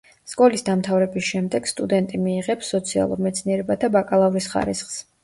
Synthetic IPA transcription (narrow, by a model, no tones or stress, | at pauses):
skʼɔlisd̪amt̪ʰavɾɛbisʃɛmd̪ɛɡ̥st̪ʼud̪ɛnt̪ʼimiːʁɛpsːɔt̪sʰia̰lˠṵɾmɛt̪sʰniɛɾɛbad̪abakʼalˠavuɾisχa̰ɾḭsχs